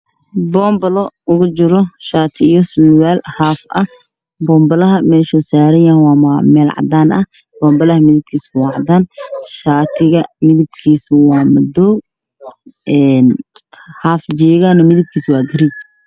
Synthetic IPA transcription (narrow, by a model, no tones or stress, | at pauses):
bɔːmbɐlɔʊɣʊt͡ʃɪɾɔʃaːt̪ʰɪjɔswiːwaːlhaːfʔɐ | bɔːmbɐlɐɦɐmɛːʃɔsaːɾɐjɐwaːmamɛːlʕɑ̰d̪aːnɐh | b̥ɔːmbɐlɐhɐmɪðɪb̚kʰiːswɑːʕɑd̪aːnʃaːt̪ʰɪɣɐmɪðɪb̚kʰiːswɑːmɐd̪ɔːw | ʔɛːnhaːfd͡ʒɛːɣanɔmɪðɪb̚kʰiːswɑːɡɐɾɪd̪̚